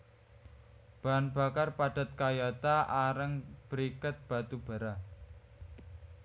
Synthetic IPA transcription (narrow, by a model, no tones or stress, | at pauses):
b̥anb̥a̤karpaɖ̥a̤t̪̚kajat̪aʔaɾəŋb̥əɾikət̪̚b̥a̤t̪ub̥a̤ɾa